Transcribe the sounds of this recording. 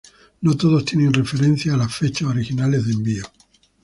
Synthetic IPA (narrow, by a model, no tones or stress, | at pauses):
not̪oð̞ost̪jeneŋrefeɾẽn̟θjaːlasfe̞t͡ʃasoɾixinalezðembio